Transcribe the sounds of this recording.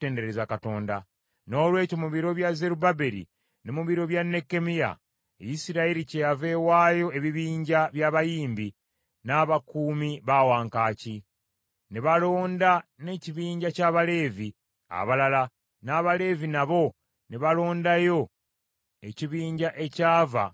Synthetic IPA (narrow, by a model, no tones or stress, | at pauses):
te̞ːnde̞ɾezakato̞ːnda | no̞ːlwe̞ːco̞muβiɾo̞βjaze̞ɾubabe̞ɾḭ | ne̞muβiɾo̞βjanːe̞kːe̞mija̰ | ḛjisiɾaiɾicejave̞waːjo̞e̞βiβiːɲɟaβjaːβajiːmbi | naːβakuːmiβawaːŋkaːci | neβalo̞ːndane̞ciβiːɲɟacaːβale̞ːvi | a̰βalala | naːβale̞ːvinaβo̞ | neβalo̞ːndajo̞ | e̞ciβiːɲɟaʔe̞caːva̰